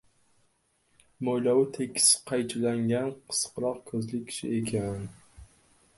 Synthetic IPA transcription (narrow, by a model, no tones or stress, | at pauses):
mojlawɪt̪ʰekʰʲːɪ̥sqʰɑjt͡ʃʰɪlaŋɡʲanqʰɨ̥sqɾɒqkʰɵzlɪk̚ʲːʰɪ̥ʃɪ̰ekʲʰan